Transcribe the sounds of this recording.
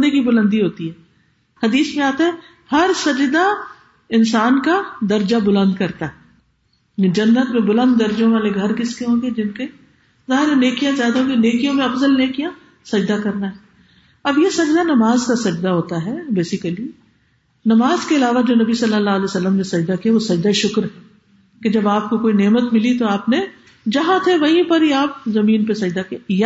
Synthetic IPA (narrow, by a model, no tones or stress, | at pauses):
d̪ẽkibʊlə̃nd̪iɦoːt̪iɦɛː | hɐd̪iːsmẽaːt̪aɦɛ | hɐɾsɐd͡ʒd̪a | ɪnsaːnkad̪ɐɾd͡ʒabʊlə̃nd̪kɐɾt̪aɦɛ | d͡ʒɐnːət̪mẽbʊlə̃nd̪ːɐɾd͡ʒõʋaːleɡʱɐɾkɪskeɦõːɡed͡ʒɪnke | zaːɦɪɾɛneːkijãzjaːd̪aɦõːɡeneːkijõmẽɐfzəlneːkijã | sɐd͡ʒd̪akɐɾnaɦɛː | ɐbjesɐd͡ʒd̪anɐmaːzkasɐd͡ʒd̪aɦoːt̪aɦɛbeːsɪkəli | nɐmaːzkeɪlaːʋad͡ʒoːnɐbisɐlːəlːaːlɛːsɐlːəmnẽsɐd͡ʒd̪akijaʋosɐd͡ʒd̪aʃʊkɾɦɛː | ked͡ʒɐbaːp̚kokoːineːmət̪mɪlit̪oaːpne | d͡ʒɐɦãt̪ʰeʋɐɦĩpɐɾiaːp̚zɐmĩːnpesɐd͡ʒd̪akij